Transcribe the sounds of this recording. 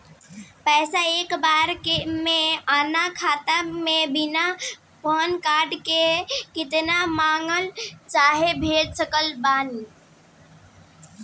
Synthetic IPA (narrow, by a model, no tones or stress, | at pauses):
pɛːsaeːkbaːɾkemẽaːnakʰaːt̪amẽbɪna | poːnkaːɾɖkekɪt̪namaːŋɡəlt͡ʃaːɦebʱeːlsəkəlbaːni